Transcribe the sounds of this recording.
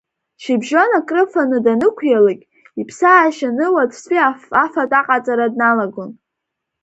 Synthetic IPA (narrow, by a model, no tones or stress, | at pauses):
ʃibʒo̞nakʼrɨfanɨdanɨkʷʰjalakʲʼ | ipʰsaːʃanɨwadstʼiafafatʼaqʼat͡sʼaɾadnalaɡon